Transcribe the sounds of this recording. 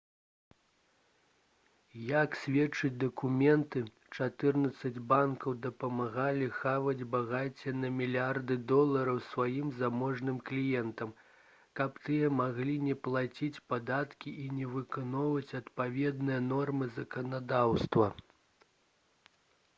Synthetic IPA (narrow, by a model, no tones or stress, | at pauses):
jaksʲvʲɛt͡ʂɨd͡zʲd̪ɐkumʲɛnt̪ɨ | t͡ʂat̪ɨrnɐt̪sɐd͡zʲbankɐwd̪ɐpɐmaɣalʲixavɐd͡zʲbaɣat͡sʲɛnɐmʲilʲiard̪ɨd̪ɔlˠɐɾɐwsvajimzamɔʐnɨmklʲijɛnt̪ɐm | kɐpt̪ɨjɐmaɣlʲinʲɛplˠat͡sʲit͡sʲpad̪at̪kʲiʔinʲɛvɨkanɔwvɐt͡sʲɐt̪pavʲɛd̪nɨjɐnɔrmɨzɐkɐnad̪awst̪vɐ